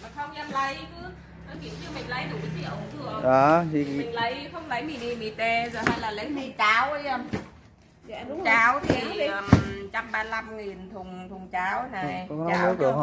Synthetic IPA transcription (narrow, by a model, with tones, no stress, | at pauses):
ma˨˩xə˧wŋ͡mʔɛ˧mlə˨˦jkɨ˨˦ | nɔ˨˦kḭ˧˨t͡ɕɨ˧mï˨˩ŋ̟lə˨˦jɗṵ˧˩˨zḭ˧˩˦ə˨˧˩ŋ͡mt̪ʰɨ˨˧˩əʔaː˨˩t̪ʰi˨˩˨ŋ̟lə˨˦jxə˧wŋ͡mlə˨˦jmi˧˩ni˧˩ɓi˧˩t̪e˧zo˨˩jhaː˧jlaː˨˩lə˨˦jmi˨˧˩t͡ɕaː˨˦wʔə˧jə˧˩m˧˨˩ | t͡ɕaː˨˦wt̪ʰi˨˩˨əː˨˩m˩t͡ɕa˧mɓaː˧la˧mŋi˨˩nt̪ʰʊ˨˩ŋ͡mt̪ʰʊ˨˩ŋ͡mt͡ɕaː˨˦wna˨˩jɔ˧˦n˦˨˧nə˦˥k̚ɗɨ˨˩k